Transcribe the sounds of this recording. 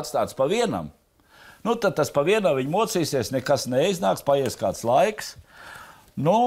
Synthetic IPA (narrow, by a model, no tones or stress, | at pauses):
t̪st̪aːt̪spaʋiɛna̰m | nut̪ad̪̚t̪aspaʋiɛnaːviɲmuɔt̪siːsiɛsnɛkasnɛjznaːkspajiɛskaːt̪slˠajks | nu